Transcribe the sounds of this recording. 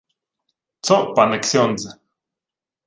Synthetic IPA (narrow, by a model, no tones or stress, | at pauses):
t͡soʔpaneksjont͡se̥